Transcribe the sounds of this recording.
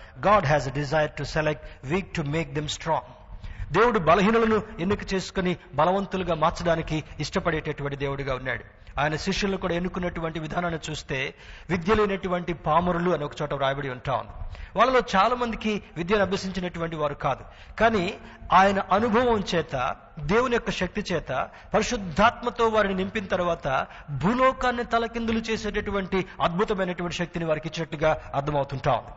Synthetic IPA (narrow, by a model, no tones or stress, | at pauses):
ɡaːɖɦɛːzeɖizajɐɾʈuselek̚ʈʋiːk̚ʈume̞ːk̚d̪emsʈɾɔːŋɡ | d̪e̞ːwuɽubɐlɐɦiːnulɐnuenːukɐt͡ʃe̞ːsu̥kunibɐlɐʋɐnt̪uluɡaːmaːɾt͡ʃɐɽaːnikiːʂʈɐpɐɽɛːʈːɐʈuʋɐɳʈ̬id̪e̞ːwuɽuɡaːunːa̰ːɽu | aːjɐnɐʃiʂjɐlnukuːɽaːenːukunːɐʈuʋɐɳʈiʋid̪ʱaːnaːnit͡ʃuːst̪e̞ːʋid̪jɐlɐjnɐʈuʋɐɳʈipaːmɐɾuluɐniɔkɐ̥t͡ʃɔːʈɐɾaːjɐbɐɽiuɳʈaːwṵnd̪iʋaːɭːɐlo̞ːt͡ʃaːlaːmɐnd̪ikiʋid̪jaːnɐbjɐsiɲt͡ʃinɐʈuʋɐɳʈiʋaːɾukaːd̪u | kaːniaːjɐnɐʔɐnubʱɐʋɐmt͡ʃɛːt̪ɐ̰ | d̪e̞ːwunɐjɔkːɐʃɐk̚t̪it͡ʃɛːt̪ɐ̰ | pɐɾiʃud̪ʱːaːt̪mɐt̪o̞ːʋaːɾininimpinɐt̪ɐɾuʋaːt̪ɐ | bʱuːlɔːkaːnːit̪ɐlɐkind̪ulut͡ʃe̞ːseːʈɐʈuʋɐɳʈiɐd̪̚bʱut̪ɐmɐjnɐʈuʋɐɳʈi̥ʃɐk̚t̪iniʋaːɾikit͡ʃːinɐʈluɡaːɐɾd̪ʰʱɐmɐwut̪uɳʈa̰ːwṵnd̪i